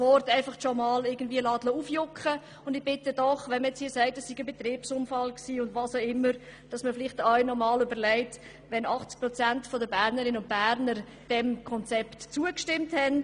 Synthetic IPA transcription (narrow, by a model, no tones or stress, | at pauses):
ʋɔɾtæɪfɑχʃɔmɑːlɪɡən̩dviəlɑːd̥loufjʊkχə | ʊndɪɡ̚b̥ɪtədɔχʋɛnməjɛt͡shiːsɛɪtəsːiɡ̥əbet̪ɾiːpsʊmfɑlksiːʊndʋɑːsoɪmːəɾd̥ɑsməfɪlɪχtɑɥnɔmɑːløbəɾlɛɪt | ʋɛnɑχt͡sk̚pɾɔt͡sæntfɔdəbæːɾnəɾɪnəʊnt̚b̥æɾnəɾ | d̥ɛmkʰɔnt͡sɛptt͡suəkʃtɪmthɛn